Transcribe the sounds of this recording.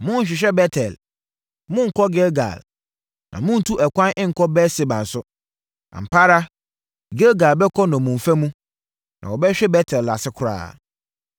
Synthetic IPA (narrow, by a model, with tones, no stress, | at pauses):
mʊ̃˦n˦ɕᶣɪ˨ɕ̬ᶣɛ˦bɛ˦tʰɛ˨l | mʊ̃˦ŋ̩˨kʰɔ˦ɡe˦ɡa̰˨l | nʔã̰˨mʊ̃˦n̩˨tʰu˦ʔɛ˨kʷʰã˦nʔɪ̃˦ŋ̩˨kʰɔ˦bɛ˦se˨bã˨n̩˨sʊ˦ | na̰˨m̩˨pʰa˦ɾa˦ | ɡe˦ɡa˨lbɛ˦kʰɔ˦nɔ̃˨mũ˨ɱ˨fæ˦mũ˦ | nã̰˨wɔ˨bɛ˦ɕᶣɛ˦bɛ˦tʰɛ˨lːa˨sɪ˦kʰʊ˨ɾa̰ː˦˨